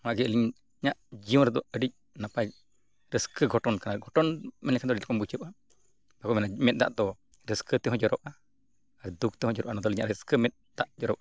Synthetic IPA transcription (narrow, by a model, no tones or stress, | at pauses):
maɡiəliɲ | ɲaʔd͡ʒiɔ̃nɾad̪ɔəɖic̚ | napa | ɾəskəɡɔʈɔnkanaɡɔʈɔnmɛnlɛkʰand̪ɔɖit̪lkɔnbut͡ʃəp̚ʔa | bakɔmɛnamɛt̪̚d̪a̰ʔd̪ɔ | ɾəskʰɨt̪ɛɦɔ̃d͡ʒɔɾɔ̰p̚ʔa | aɾd̪uk̚t̪ɛɦɔ̃d͡ʒɔɾɔʔanad̪ɔliɲaʔɾəskəmɛt̪̚d̪aʔd͡ʒɔɾɔpa